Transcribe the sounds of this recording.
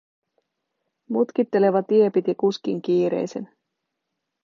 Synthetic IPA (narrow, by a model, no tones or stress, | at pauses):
mut̪k̟it̪ːe̞le̞ʋɑt̪ie̞pit̪ikuskiŋk̟iːɾḛjse̞n